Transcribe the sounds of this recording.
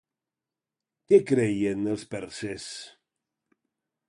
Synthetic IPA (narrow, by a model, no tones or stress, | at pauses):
kekɾejenəlˠspɛɾses